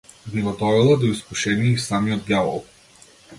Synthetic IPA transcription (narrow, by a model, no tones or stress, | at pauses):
biɡɔd̪ɔɾɛlˠad̪ɔiskuʃɛniːsamiɔd̪̚ɡʲjavɔ̰lˠ